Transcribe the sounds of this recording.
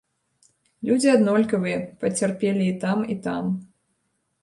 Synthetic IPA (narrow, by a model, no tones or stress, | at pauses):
lʲud͡zʲiad̪nɔlʲkɐvɨjɛpɐt͡sʲarpʲelʲiːt̪amit̪am